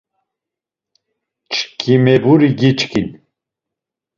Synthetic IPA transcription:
t͡ʃʰkʰimebuɾiɡit͡ʃkin

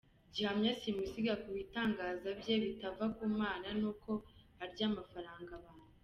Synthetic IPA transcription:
ɟihamɲasimusiɡakuβitaːŋɡaːzabje̞βitavakuːmaːnanuko̞ | aɾɟaːmafaɾaːŋɡaβaːnn̥hu

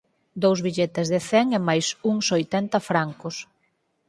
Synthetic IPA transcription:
d̪owzβiʎet̪ezðeθɛŋemajsuŋsojt̪ɛnt̪ɐfɾaŋkʊs

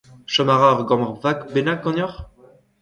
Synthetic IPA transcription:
ʃamaʁaʁɡɑ̃maʁvakbenakːɑ̃njɔʁ

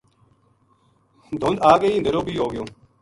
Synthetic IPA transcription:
d̪ʱond̪aːɡeiːnd̪əɾoːbiːɦoːɡɪjõː

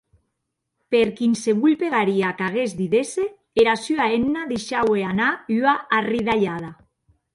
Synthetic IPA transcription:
peɾkinseβuʎpeɣaɾiakaɣezd̪iðese | eɾasyaenːaðeʃaweanayaːriðaʎað̞a

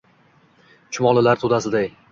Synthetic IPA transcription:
t͡ʃʰʊmɒlˠɪlaɾt̪ʰod̪asɪd̪aj

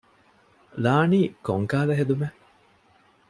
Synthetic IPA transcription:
laːniːkoŋkaːlɐɦed̪ume

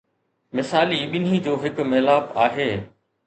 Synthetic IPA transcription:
mɪsaːliːɓɪn̤id͡ʑoːɦɪkmeːlaːpaːɦeː

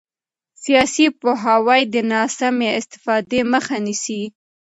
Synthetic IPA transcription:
sijɑsipoɦawajd̪ənɑsameɪst̪ɪ̥fɑd̪eməxanisi

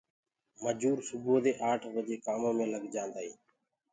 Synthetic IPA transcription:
məd͡ʒuːɾsʊboːd̪eːʔaːʈʰʋəd͡ʒ̪eːkaːmõːmẽːləɡd͡ʒãːnd̪aːiː

